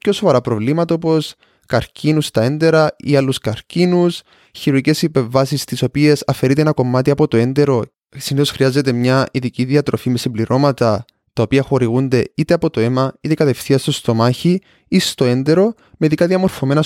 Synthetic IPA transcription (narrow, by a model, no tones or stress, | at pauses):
pco̞sovɐɾapɾo̞vlimɐt̪ɐopo̞s | kɐɾcʰinust̪ɐe̞nd̪e̞ɾɐḭalːuskɐɾcinus | çiɾuɾice̞sipe̞ɱvɐsist̪iso̞pie̞sɐfe̞ɾit̪eenɐko̞mːat̪iɐpo̞t̪o̞e̞nd̪e̞ɾo̞ | siniθo̞sxɾiazːe̞t̪e̞mɲɐiðiciðiɐt̪ɾo̞fime̞simbliɾo̞mɐt̪ɐ | t̪ɐopiɐxo̞ɾiɣund̪e̞it̪e̞ɐpo̞t̪o̞e̞mɐit̪ekɐt̪e̞fθiɐst̪ost̪o̞maçi | ist̪o̞e̞nd̪e̞ɾo̞ | meðikɐðiɐmo̞ɾfo̞me̞nɐ